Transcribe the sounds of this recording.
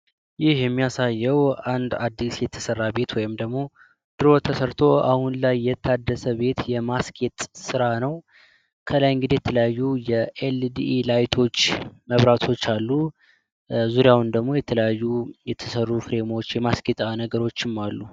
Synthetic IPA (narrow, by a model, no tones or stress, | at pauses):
jɪhjɛmːijasajːəwand̪ad̪ːisjɛt̪ʰə̥sərːabe̞t̪wɔjɪmd̪əɡmo̞ | d̪̥ɨɾo̞t̪ʰəsəɾt̪ʰo̞a̰hunlajːɛt̪ʰːad̪ːəsəβe̞t̪jɛmaskʰet̪ʼsɨɾanəw | kʰəlajɨŋɡɨd̪e̞jɛt̪ʰələjajːujɛʔeld̪iʔilajt̪ʰo̞t͡ʃːməβɾat̪ʰo̞t͡ʃːalːu | zuɾjawnd̪əɡmo̞jɛt̪ʰələjajːujɛt̪ʰə̥sərːufɨɾe̞mo̞t͡ʃːjɛmaskʰet̪ʼanəɡəɾo̞t͡ʃːɪmːalːu